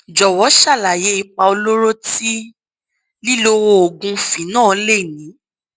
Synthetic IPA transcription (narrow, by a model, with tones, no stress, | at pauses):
d͡ʒɔ˨wɔ˨˦ʃa˦˨la˨je˨˦i˧k͡pa˧o˧lo˦ɾo˦ti˦ | li˦lo˦wo˧o˨ɡũ˧˦fĩ˨˦nãː˦˨le˦˨nĩ˨˦